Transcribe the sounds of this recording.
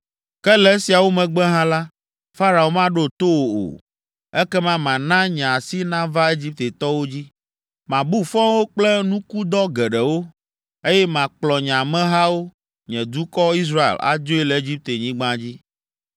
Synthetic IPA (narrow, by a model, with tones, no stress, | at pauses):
kɛ˦lɛ˦si˨a˨wo˦mɛ̃˨ɡ͡bɛ˦ɦã˦la˦ | fa˦ɾa˨wo˨mã˦ɖo˦t̪o˦wo˨o̰˨ | ɛ˦kɛ˦mã˦mã˨nã˦ɲã˨si˦nã˦va˦e˦d͡ʑi˦p̚t̪e˨t̪ɔ˦wo˦d͡ʑi˦ | mã˨bu˦fɔ̃˦wo˦k͡plɛ˦nũ˦ku˦d̪ɔ˦ɡɛ˨ɖɛ˨wo˦ | e˦jɛ˦mã˨k͡plɔ˨ɲã˨mɛ̃˦ɦa˦wo˦ | ɲɛ̃˨d̪u˦kɔ˦i˦s̬ɾa˦ḛ˨la̰˨d͡ʒo˦e˦lɛ˨e˦d͡ʑi˦p̚t̪e˨ɲĩ˦ɡ͡bã˦d͡ʑi˦